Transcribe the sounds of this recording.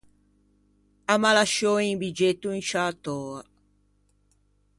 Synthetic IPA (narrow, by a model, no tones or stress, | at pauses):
amalaʃoiŋbid͡ʒet̪ːuinʃat̪ɔːa